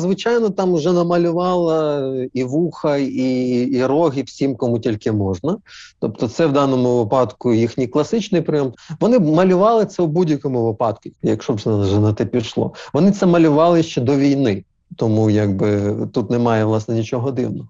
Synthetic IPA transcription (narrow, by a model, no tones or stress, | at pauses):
zʋɪt͡ʃɑjnɔt̪ɑmʒɛnɐmɐlʲʊʋɑlˠɐiʋuxɐiːɾɔɦʲiwsʲimkɔmutʲilʲkɪmɔʒnɐt̪ɔp̚t̪ɔt̪sɛwd̪ɑnɔmʊʋɪpɑd̪kʊjixnʲijklˠɐsɪt͡ʃnɪjpɾɪjɔmʋɔnɪmɐlʲʊʋɑlˠɪt̪sɛʊbudʲjɐkɔmʊʋɪpɑd̪kʊjɐkʃɔbzʒɐnɐt̪ɛpʲiʃlˠɔ̰ʋɔnɪt̪sɛmɐlʲʊʋɑlˠɪʃt͡ʃɛd̪ɔʋʲijnɪ | t̪ɔmujaɡ̚bɪt̪ut̪nɛmɑjɛʋlˠɑsnɛnʲit͡ʃɔɦɔd̪ɪ̰wnɔɦɔ